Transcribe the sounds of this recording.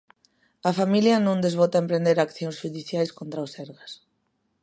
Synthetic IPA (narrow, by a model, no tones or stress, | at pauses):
ɐfamiljɐnõŋd̪ezβɔt̪aẽmpɾend̪eɾakθjõŋsʃuðiθjajskont̪ɾaosɛɾɣas